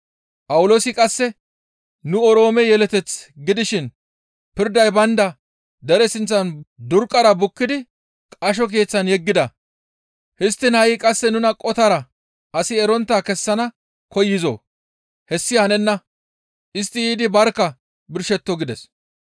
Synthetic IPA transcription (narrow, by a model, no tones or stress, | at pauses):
pʼɐwʊlo̞ːsɪkʼɐsːɛ | nʊɔɾo̞ːmɛjɛlɛt̪ɛt͡sɡɪd̪ɪʃɪn | pɪɾd̪ɐjbɐnd̪ɐ | d̪ɛɾɛsɪnt͡sːɐnd̪ʊɾkʼːɐɾɐbʊkːɪd̪ɪ | kʼɐʃ̬ɔk̬e̞ːt͡sːɐnjɛɡːɪd̪ɐ | hɪst̪ːɪnhɐjɪkʼɐsːɛnʊnɐkʼɔt̪ɐɾɐ | ɐsɪɛɾɔnt̪ːaːkɛsːɐnɐ | kɔjːɪzo̰ː | hɛsːɪhɐnɛnːɐ | ʔɪs̬t̪ːɪjiːd̪ɪbɐɾkːɐ | bɪɾʃɛt̪ːɔɡɪd̪ɛs